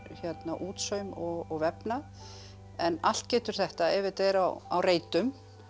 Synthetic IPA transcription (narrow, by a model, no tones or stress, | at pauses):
çjɛt̪naʔuːt̪sœɥmɔɣɔɣvɛpna | ɛnal̥t̪cɛːt̪ʏɾ̥θɛht̪aɛvɪt̪ejɾawa̰wreːjt̪ʏm